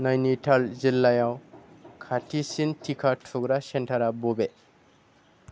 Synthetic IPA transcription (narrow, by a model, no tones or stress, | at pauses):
najnitʰalzilːajawkʰatʰisintʰikʰatʰuɡɾasɛntʰaɾabɔbe